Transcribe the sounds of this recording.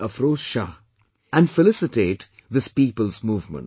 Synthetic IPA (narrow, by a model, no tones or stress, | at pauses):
əfɾoːsʃa | æ̃nɖfɪlɪsɪʈeːʈ | ðɪspiːpəlˠzmuːvmə̰̃n